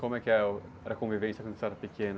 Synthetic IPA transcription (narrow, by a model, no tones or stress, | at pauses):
kõmʊɛkɪɛɾɛɾɐkõvivẽsɐkwɐ̃nd̪sɛɾɐpɪkʰẽnɐ